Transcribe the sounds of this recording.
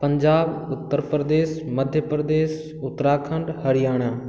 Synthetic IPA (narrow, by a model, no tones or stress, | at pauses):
pɐ̃ɲd͡ʑaːbʊt̪ːəɾpəɾd̪eːʃmɐd̪ʱjəpɾəd̪eːʃ | ʊt̪ːɾaːkʰə̃ɳɖhɐɾɪjaːɽ̃aː